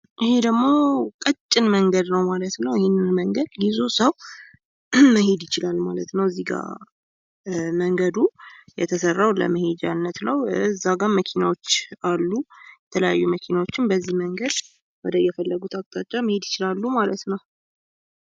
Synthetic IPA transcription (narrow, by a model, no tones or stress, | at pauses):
ʔɪhed̪əɡmo̞kʼət͡ʃʼːɪnməŋɡəd̪nəwmalət̪nəwɪhɪnːɨnməŋɡəd̪jizo̞səw | məhed̪jɪt͡ʃɪlalmalət̪nəwɨzːiɡa̰ | məŋɡəd̪ujɛt̪ʰəsərːawlə̰məhed͡ʒanːət̪nəwɨzːaɡaməkʰinawot͡ʃːalːujjɛt̪ʰələja̰jːuməkʰinawot͡ʃːɪnbəzːihməŋɡəd̪ | wɔd̪əjɛfəlːəɡut̪ʰakʼt̪ʼat͡ʃʼːaməhed̪jɪt͡ʃɪlalːumalət̪nəw